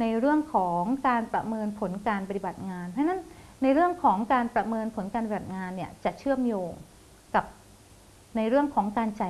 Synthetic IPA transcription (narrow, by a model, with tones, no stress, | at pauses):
na˧jɾɯ˥˩əŋkʰɔː˩˦ŋkaː˧npɾa˧mɤː˧npʰo˩˦nkaː˧npa˧t̪i˨ba˨˩t̪̚ŋaː˧npʰɾa˥na˦˥nːa˧jɾɯ˥˩əŋkʰɔː˩˦ŋkaː˧npɾa˧mɤː˧npʰo˩˦nkaː˧npa˧˩ba˨˩t̪̚ŋaː˧nːi˥˩ɐt͡ɕa˨˩t͡ɕʰɯ˥˩əmjoː˧ŋ | ka˨˩p̚ | na˧jɾɯ˥˩əŋkʰɔː˩˦ŋkaː˧nt͡ɕa˨˩